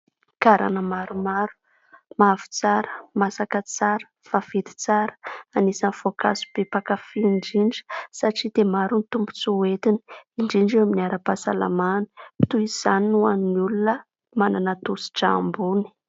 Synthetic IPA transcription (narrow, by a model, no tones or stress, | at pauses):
kaɾa̰nəmaɾumaɾu̥ | mavu̥t͡saɾə̥masakət͡saɾə̥ | fafed̪i̥t͡saɾə̥anisanv̥oka̰su̥b̥epakafiɳɖ͡ʐiɳɖ͡ʐə̥saʈ͡ʂid̪emaɾunit̪umbu̥t͡suet̪ini̥iɳɖ͡ʐiɳɖ͡ʐewaminiaɾəpasala̰manə̥pi̥t̪uiz̥aninuaninulunə | mananat̪usi̥ʈ͡ʂaambuni̥